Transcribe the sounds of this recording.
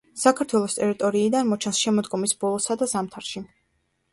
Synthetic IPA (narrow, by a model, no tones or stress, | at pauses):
sakʰaɾt̪ʰwɛlˠɔst̪ʼɛɾit̪ʼɔɾiːd̪anmɔt͡ʃʰɛnsʃɛmɔd̪ɡɔmisbɔlˠɔsad̪azamt̪ʰaɾʃi